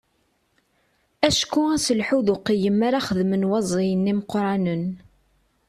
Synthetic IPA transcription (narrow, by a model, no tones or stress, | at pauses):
æʃkːuæsəlħuðʊqːijəmːaɾaχəðmənwɑzˤijənːiməqɾˤɑnən